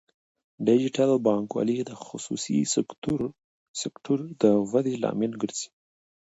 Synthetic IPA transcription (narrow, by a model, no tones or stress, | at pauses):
ɖɪd͡ʒɪʈalbɑŋkwɑ̰lid̪əxʊsṵsḭɾ | sekʈʰuɾd̪əwad̪elɑ̰milɡəɾz̥i̥